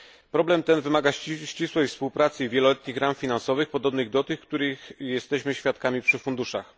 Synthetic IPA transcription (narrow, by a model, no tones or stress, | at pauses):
pɾɔblɛmt̪ɛnvɘmaɡaɕt͡ɕiswɛjfspuwpɾat̪sɘivʲjɛlɔlɛt̪ɲixɾamfʲinansɔvɘxpɔd̪ɔbnɘɣd̪ɔt̪ɘxkt̪uɾɘxjɛst̪ɛɕmɘɕfʲjat̪̚kamʲipʂɘfund̪uʂa̰x